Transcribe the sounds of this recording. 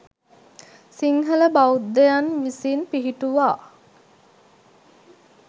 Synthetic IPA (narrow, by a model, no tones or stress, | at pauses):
siŋɦələbaud̪ːejanʋisiːnpiɦiʈuʋaː